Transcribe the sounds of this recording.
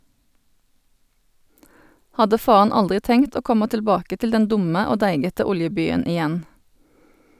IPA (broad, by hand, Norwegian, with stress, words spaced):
ˈhɑdə ˈfɑːɑn ˈɑldʁɪ ˈtɛŋt ˈoː ˈkɔmɑ tɪlˈbɑːkə ˈtɪl ˈdɛn ˈdʊmə ˈoː ˈdæɪɡətə ˈʊljəˌbyːən ɪˈjɛn